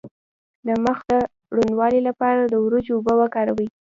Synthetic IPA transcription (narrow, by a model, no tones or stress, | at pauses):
laməxd̪ə | ɽund̪wɑlilapɑɾad̪əwɾud͡ʒʊbəwəkɑɾawi